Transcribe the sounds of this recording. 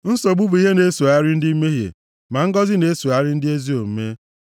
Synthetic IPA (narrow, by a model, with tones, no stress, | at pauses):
n̩˦so˨ɡ͡bu˦bu˨˦i˦ɦe˦ne˨˦su˨a˦ɾɪ˦n̩˦di˦i˦me˦ɦjḛ˨ | ma˨ŋ̩˦ɡɔ˦zɪ˦ne˨˦su˨a˦ɾɪ˦n̩˦dɪ˦e˦zi˦o˨m̩˦me˦